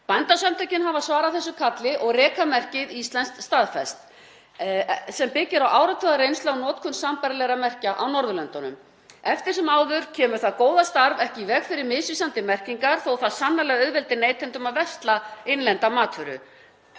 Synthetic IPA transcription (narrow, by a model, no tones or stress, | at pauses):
pajnt̪asamnt̪ʰœɥcɪnhavasvaːɾaðθɛsːʏkʰat̪lɪʔɔɣrɛːkʰamɛr̥cɪðist̪lɛnst̪st̪aðfɛst̪ | sɛmpɪcɪɾawʔaːwɾat̪ʰœɣaɾejnst̪awnɔːt̪kʰʏnsampaɾlɛɾamɛr̥caʔawnɔɾðʏlɛnt̪ɔnʏ̰m | ɛft̪ɪɾ̥sɛmaːwðʏɾ̥cʰɛːmʏɾ̥θaðkoːwðast̪aɾvɛhcɪvɛɣfɪɾɪɾmɪsisant̪ɪmɛr̥ciŋkaɾ̥θowθaðsanːalɛɣaœðvɛlt̪ɪneːjt̪ʰɪnt̪ʏmaðvɛst̪laɪnlɛnt̪amaːt̪ʰvʏɾʏ̰